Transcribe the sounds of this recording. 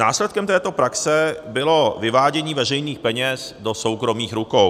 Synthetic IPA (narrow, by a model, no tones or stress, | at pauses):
naːslɛt̪kɛmt̪ɛːt̪o̞pɾaksɛbɪlo̞vɪvaːɟɛɲiːvɛrɛjniːxpɛɲɛsdo̞so̞wkɾo̞miːxɾukow